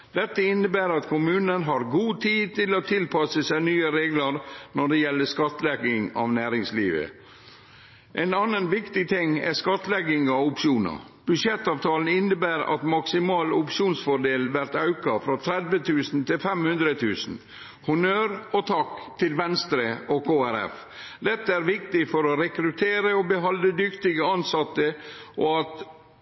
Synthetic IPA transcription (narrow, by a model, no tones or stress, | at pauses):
d̪̥ɛt̪ːəɪnːəbæːɾɑt̪kʰʊmʉːnənɦɑɾɡuːt̪ʰiːt̪ɪloːt̪ʰɪlpʰɑsəsæɪnyːəɾeːɡləɾnɔɖɛjɛlːəskɑt̪əlɛɡɪŋɑ̰ʋnæːɾɪŋslḭːʋə̰ | ʔɛnɑnənʋɪkt̪ɪt̪ʰɪŋːɛ̰skɑt̪ːlɛɡɪŋɑʊpʃuːnɑ̰ | b̥ʉʂɛt̪ːɑːʋt̪ʰɑːln̩ɪnːəbæːɾɑ̰t̪mɑksɪmɑːlʊpʂuːnsfɔɖeːlʋæɾt̪ɑʉkɑfɾɔt̪ʰɾɛd̪ʋət̪ʰʉːsn̩t̪ʰɪlfɛmhʉnd̪ɾət̪ʰʉːsn̩ | hʊnøːɾɔt̪ʰɑkt̪ʰɪlʋɛnst̪ɾəɔkʰoːæɾɛ̰f | d̪ɛt̪ːəæɾʋɪkt̪ɪfɔɾɔɾɛkɾʉt̪ʰeːɾəɔbəɦɑləd̪ʏkt̪ɪɡəɑnsɑt̪ːəʔoɑt̪